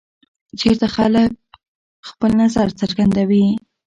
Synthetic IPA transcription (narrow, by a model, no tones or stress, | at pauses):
d͡ʒeɾt̪axalək̚ | xpəlnazaɾt͡səɾɡand̪awi